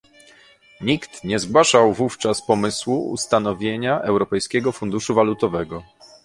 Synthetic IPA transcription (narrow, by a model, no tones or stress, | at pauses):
ɲikt̪ɲɛzɡwaʂawvuft͡ʂaspɔmɘswuṵst̪anɔvʲjeɲaʔɛwɾɔpɛjskʲɛɡɔfund̪uʂuvalut̪ɔvɛɡɔ